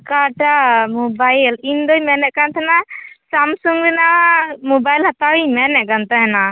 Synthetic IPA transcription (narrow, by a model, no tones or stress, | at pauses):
kaʈamɔbajlind̪ɔjmɛnɛʔkant̪ʰanasamsuŋɡɾɛnamubajlhat̪awimɛnɛʔ̚kant̪ɔɦɛna